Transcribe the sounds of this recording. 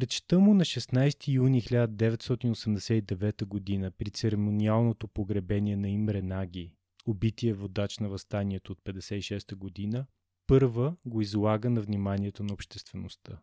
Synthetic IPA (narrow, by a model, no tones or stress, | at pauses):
pɾɛt͡ʃt̪əmʊnɐʃɛsnajst̪ijunixlʲad̪əd̪ɛvɛt̪st̪ɔt̪inosɛmd̪ɛsɛid̪ɛvɛt̪əɡod̪inəpɾit̪sɛɾɛmonialˠnot̪opoɡɾɛbɛnʲiɛnɐimɾɛnaɡʲi | obit̪iɛvod̪at͡ʃnɐvɐst̪aniɛt̪oːt̪̚pɛd̪ɛsɛiʃɛst̪əɡod̪inə | pɤɾvəɡoizlˠaɡənɐvnimaniɛt̪onɐopʃt̪ɛst̪vɛnost̪ə